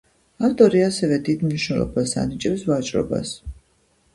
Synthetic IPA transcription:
aft̪ʼɔɾiasɛvɛd̪id̪mniʃnɛlˠɔ̰basa̰nit͡ʃʼɛpsvat͡ʃʼɾɔ̰ba̰s

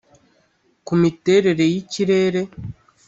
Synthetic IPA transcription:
kumite̞ɾe̞ɾe̞jiciɾe̞ːɾe̞

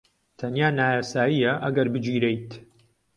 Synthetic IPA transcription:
t̪ʰɐnjaːnaːjaːsaːjijɐʔɐɡɐɾbɨd͡ʒiːɾejt̪

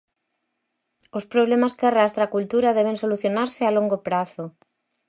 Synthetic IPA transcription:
ʊspɾoβ̞lemaskearast̪ɾakult̪uɾaðɛβ̞eŋsoluθjonaɾsɪaloŋɡopɾaθʊ

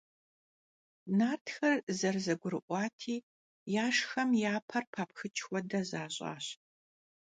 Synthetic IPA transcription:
naːrtʰxɐrzɐrzɐɡʷʊɾɨʔʷɑːtʰiː | jaːʂxɐmjaːpʰɐrpʰaːp̚xɨt͡ʃʰʼxʷɔdɐzaːɕʼa̰ːɕ

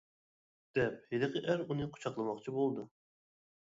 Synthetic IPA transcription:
d̪̥ɛp̚hed̪ɨqʰəʔæɾunɨqʰo̥t͡ʃʰɑqlˠɨmɑqt͡ʃʰibolˠd̪u

